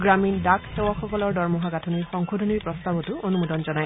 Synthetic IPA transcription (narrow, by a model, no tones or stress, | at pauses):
ɡɹamindakʰtɛwɔxɔkɔlɔɹdɔɹmɔɦaɡatʰuniɹxɔŋxudʱɔniɹpɹɔstabɔtʊonumudɔnzɔnaj